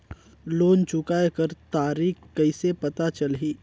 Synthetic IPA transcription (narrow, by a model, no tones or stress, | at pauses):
loːnt͡ʃʊkaːekəɾt̪aːɾiːkkɐɪsepɐt̪at͡ʃɐlɦiː